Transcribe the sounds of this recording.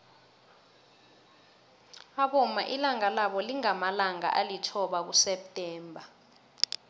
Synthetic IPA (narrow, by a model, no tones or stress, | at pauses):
aɓɔma̰ʔilaŋalaɓɔliŋamalaŋa̰ʔalitʰɔɓak̬usɛp̚tʼɛːmbʱa